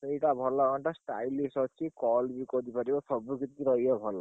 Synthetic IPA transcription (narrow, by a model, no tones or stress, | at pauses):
t̪ejʈabʱɔlːakɔɳʈasʈa̰jlːisɔt͡ʃʰikɔlbikɔd̪ipɔɾibasɔbukit̪iɾɔjjɔbʱɔlːa